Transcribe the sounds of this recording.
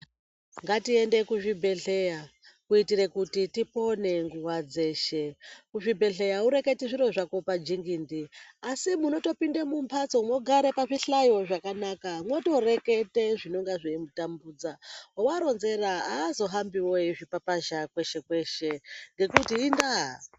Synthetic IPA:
ŋɡatie̞nde̞kuʐibʱe̞ɬe̞jakuitire̞kutitipo̞ne̞ŋɡuwad͡ze̞ːʃekuʐibʱe̞ɮe̞jauɾe̞ke̞tiʐiɾo̞ʐako̞pad͡ʒiŋɡindiasimuno̞to̞pindemumpʰat͡so̞mwo̞ɡʱaɾepaʐiɬajo̞ʐakanakamwo̞to̞re̞ke̞te̞ʐino̞ŋɡaʐeimutambuːd͡zawowaɾo̞nze̞ɾaaːzo̞ɦambiwo̞iʐipapaʒakwe̞ʃe̞kwe̞ʃe̞ŋɡe̞kutiːndaɦa

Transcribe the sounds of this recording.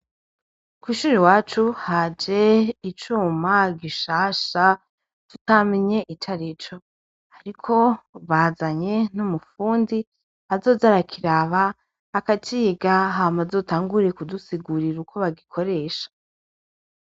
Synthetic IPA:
kwiːʃuːɾiwaːt͡ʃuhad͡ʒe̞it͡ʃuːmaɡiʃaːʃa | tu̥tamiɲe̞ʔit͡ʃaɾit͡ʃo̞ | aɾikʰo̞βazaɲe̞n̥umufuːndi | azo̞ːzaɾakʰiɾaβaː | katiːɡaɦamazo̞taːŋɡuɾekudusiɡuɾiɾukʰo̞βaɡikʰo̞ɾe̞ːʃḁ

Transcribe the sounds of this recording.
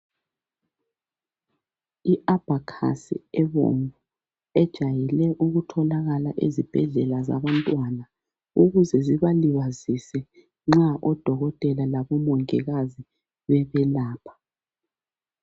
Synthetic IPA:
iʔab̥ʱakʰa̰sḭɛβo̰mbu | ɛd̥ʒ̥ʱajilɛʔuɣutʰɔlaɣalaʔezib̥ʱɛɮɛlaza̰βantʼwana | uɣuzɛziβaliβazisɛ | ŋ͡ǁaʔɔd̥ʱɔɣɔtʼɛlalaβɔmɔŋɛɣazi | βɛβɛlaːpʰḁ

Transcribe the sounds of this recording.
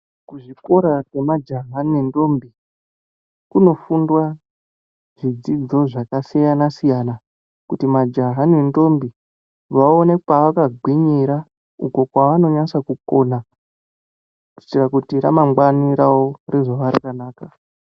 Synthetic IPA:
kuʐiko̞ɾakwe̞mad͡ʒaɦaniendo̞mbi | kuno̞fundwa | ʐ̥id͡zid͡zo̞ʐakasijanasijana | kutimad͡ʒaɦanendo̞mbi | ʋaone̞kaʋakaɡʱwiɲiɾa | uko̞kwaʋano̞ɲasakuko̞na | u̥itirakutiɾamaŋɡwaniɾaore̞ʐoʋaɾakanaːka

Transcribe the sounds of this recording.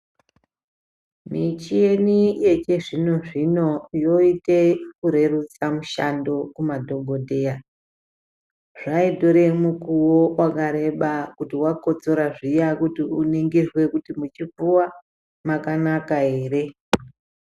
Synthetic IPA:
mit͡ʃije̞nije̞t͡ʃe̞ʐino̞ʐino̞jo̞itekuɾe̞rut͡samuʃando̞kumadʱo̞ɡʱo̞dʱe̞ja | ʐaidʱo̞ɾe̞mukuwowʔakaɾe̞ɓakutiwako̞t͡so̞ɾaʐijakutiuneŋɡirwe̞kutimut͡ʃib͡vuwa | makanakae̞ːre̞

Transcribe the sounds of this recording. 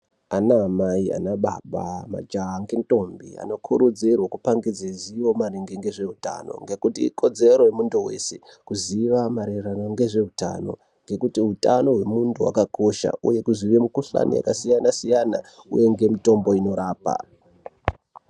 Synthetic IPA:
anaːmaia̰naɓa̰ɓama̰d͡ʒaŋɡento̞mbḭa̰no̞kʰuɾud͡zirwakupaŋɡid͡zeziʋo̞maɾeŋɡeŋɡe̞ʐe̞ɦuta̰no̞̰ŋɡe̞kutiiko̞d͡ze̞ɾo̞jemunduwe̞̰se̞kuziʋamaɾeranaŋɡe̞ʐe̞ɦuta̰no̞̰ | ŋɡe̞kutiɦutano̞ɦwe̞muntʰuwa̰kako̞ʃa̰ṵje̞kuziʋemukuɬa̰nḭja̰kasijanasijanaṵje̞ŋɡe̞mito̞mbo̞ino̞ɾaːpa̰

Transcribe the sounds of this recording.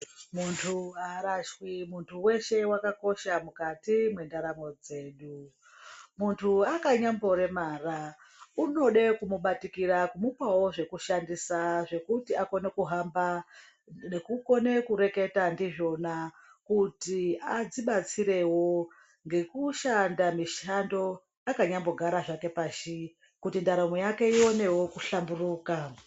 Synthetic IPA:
muntʰuaɾaʃwimuntʰuwe̞ʃe̞wakako̞ʃamukatimwe̞ndaɾamo̞d͡ze̞ːɗu | muntʰuakaɲambo̞ɾe̞maːra | uno̞ɗekumuɓatikiɾakumupawo̞ʐe̞kuʃandisaʐe̞kutiako̞ne̞kuɦamba | nekuko̞ne̞kuɾe̞ke̞tandiʐo̞na | kutiad͡ziɓat͡siɾe̞wo̞ | ŋɡe̞kuʃandamiʃando̞ | akaɲambo̞ɡʱaɾaʐake̞paːʃi | kutindaɾamojake̞io̞ne̞wo̞kuɬamburuːka

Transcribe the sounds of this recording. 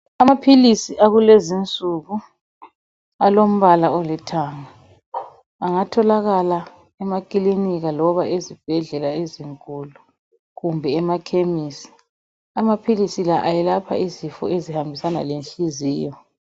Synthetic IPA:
amapʰilisiʔaɣulezint͡sʼuɣu | alom̩βalaɔlɛtʰaːŋa | aŋatʰɔlaɣala | ɛmakʼiliniɣalɔβaezib̥ʱɛɮɛlaeziŋkʼulu | ɣumbʱɛːmakʰemisi̥ | amapʰilisilaʔajɛlapʰa̰izifɔ̰ezihambʱisana̰lenɬʼiziːjɔ

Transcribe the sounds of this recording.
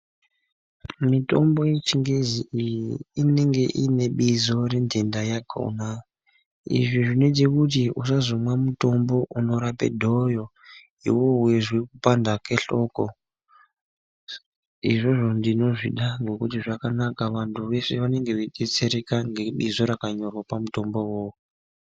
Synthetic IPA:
mito̰mbo̞jet͡ʃiŋɡeziʔijiine̞ŋɡe̞ʔine̞ɓizo̞rendendajaɡʰo̰na | ḭʐiʐinetekut̬iusazomwamuto̞mbo̞ʔuno̞ɾapḛdʱo̞jo̞ | ḭwo̞ɦuweʐwekupandake̞ɬo̞ko | ḭʐoʐo̞ndino̞ʐḭɗaŋɡo̞kutiʐakanakaʋantʰuʋe̞se̞ʋane̞ŋɡe̞ʋeɗet͡se̞ɾekaŋɡe̞ɓizo̞ɾakaɲo̞rwapamuto̞mbo̞woːko

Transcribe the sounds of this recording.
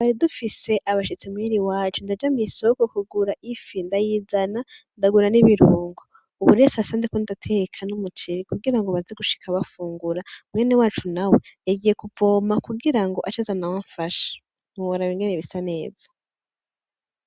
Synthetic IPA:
βaɾidufise̞ʔaβaʃit͡semujiɾiwaːt͡ʃundad͡ʒamisokokuɡuɾaʔifindajizanandaɡuɾaniβiɾuːŋɡo | uβuɾesasaːnzekondatʰekʰanumutʰiɾikuɡiɾaŋɡoβazeɡuʃi̥kʰaβafuːŋɡuɾamŋeːnewaːt͡ʃunaweaɡije̞kuvo̞ːmakuɡiɾaŋɡo̞ʔat͡ʃazanawaɱfaʃḁ | muwoɾaβiŋɡeneβisane̞ːz̥ḁ

